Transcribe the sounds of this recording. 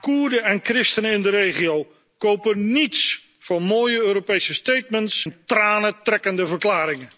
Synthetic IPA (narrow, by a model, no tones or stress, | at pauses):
kuːɹdəɛnkrɪstənəɪndəɾejχiow | kowpənits | fɔnmoːjəøːɾopejsəstejt̚məntsɛntraːnətrɛkəndəvəɹklaːɾɪŋə